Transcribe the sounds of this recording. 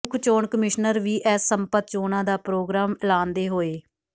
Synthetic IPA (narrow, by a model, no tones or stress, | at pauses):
kʰt͡ʃoːɳkəmɪʃnəɾʋiːʔɛːsːəmpət̪̚t͡ʃoːnãːd̪aːpɾoːɡɾaːmlaːnd̪eːɦoːeː